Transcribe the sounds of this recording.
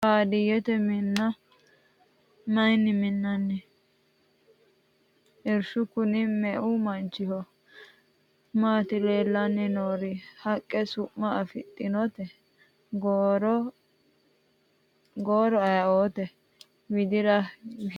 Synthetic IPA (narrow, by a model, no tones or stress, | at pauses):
haːd̪ɪjɛt̪ɛmɪnːɐ | mɐjnːɪmɪnːɐnːɛ | ɛɾʃʊkʊnɪmɛʔʊmɐnt͡ʃːɪhɔ | maːt̪ɪleːlːɐnːɛnoːɾɪhɐkʼːɛsʊʔːɐɐfɪt̪ʼːɪnɔt̪ɛ | ɡɾ | ɡoːɾɔɐjɐoːt̪ɛ | wɪd̪ɪɾɐ